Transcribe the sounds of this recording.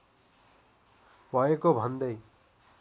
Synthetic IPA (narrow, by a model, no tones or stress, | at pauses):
bʱʌekobʱʌnd̪ʌj